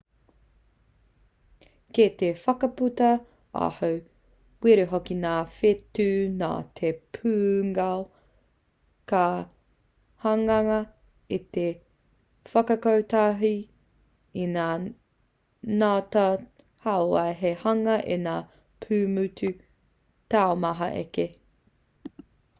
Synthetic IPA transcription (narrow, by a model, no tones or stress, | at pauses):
ket̪efɐkɐputɐ | a̰hɐw | wiɾeɦokinaːfetʉna̰ːtʰepʰʉːŋao | ka | hɐŋɐŋɐ | ite | fɐkɐkɐwt̪aɦi | inaː | naːtɐ | haoɐjɦehɐŋɐʔḛnaː | pʰʉːmʉtʰʉ | taomɐɦɐ̰ʔḛke